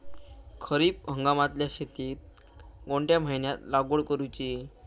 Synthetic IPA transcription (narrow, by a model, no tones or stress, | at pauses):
kʰəɾiːpɦəŋɡamat̪ljaɕet̪iːt̪̚ | ɡoɳʈjam̤ajnjat̪laɡoɭkəɾujt͡ɕi